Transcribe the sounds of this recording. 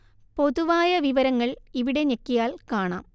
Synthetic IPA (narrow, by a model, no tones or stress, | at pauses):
po̞ðuʋaːjɐʋiʋɐɾɐŋːɐɭiʋiɽe̞ɲekːijaːlkaːɳa̰ːm